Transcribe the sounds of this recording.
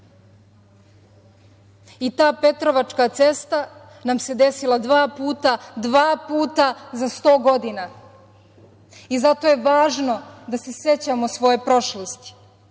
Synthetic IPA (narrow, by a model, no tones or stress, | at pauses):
it̪aːpe̞t̪ɾo̞ʋat͡ʃkat̪se̞st̪a | namse̞d̪e̞silˠad̪ʋaːpuːt̪ad̪ʋaːpuːt̪azast̪o̞ːɡo̞d̪ina | izat̪o̞je̞ʋaːʒno̞d̪ase̞se̞t͡ɕamo̞sʋo̞je̞pɾo̞ʃlost̪i̥